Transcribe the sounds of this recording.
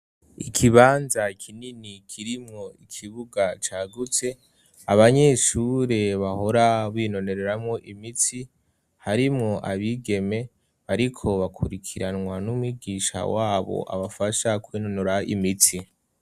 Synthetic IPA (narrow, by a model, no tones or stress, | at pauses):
ikʰiβaːnzakʰininikʰiɾimŋo̞ikʰiβuɡat͡ʃaɡut͡se̞ | aβaɲe̞ʃuɾe̞βaho̞ɾaβino̞ne̞ɾeɾamŋo̞ʔimit͡si | haɾimŋo̞ʔaβiɡe̞me̞ | βaɾikʰo̞βakʰuɾikʰiɾanwanumwiɡiːʃa̰waːβo̞̰ʔa̰βafaʃakwiːnonoɾaḭmit͡si